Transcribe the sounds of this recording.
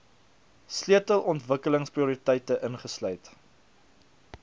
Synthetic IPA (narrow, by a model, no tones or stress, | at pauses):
sliətəlˠɔntvəkələŋspriuːɾitɛjtəʔənχəslœɥt